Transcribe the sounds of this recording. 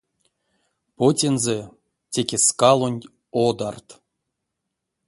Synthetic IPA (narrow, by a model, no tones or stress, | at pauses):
potʲenze | tʲekʲeskɑlˠonʲ | od̪art̪